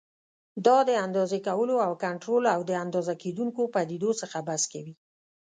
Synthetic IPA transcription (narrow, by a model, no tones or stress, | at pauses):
d̪ɑd̪əand̪ɑzekawəloawkaɳʈɾolawd̪əand̪ɑzaked̪uŋkopad̪id̪osəxabaskawi